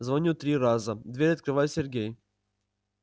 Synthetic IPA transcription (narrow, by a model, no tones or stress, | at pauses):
zvɐnʲut̪ɾʲiɾazəd̪vʲeɾʲɐt̪̚kɾɨvajʊsʲerɡʲej